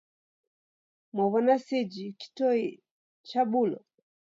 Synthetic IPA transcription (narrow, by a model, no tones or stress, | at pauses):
mɔβɔnasid͡ʒiki̥tɔi | t͡ʃabulɔ̰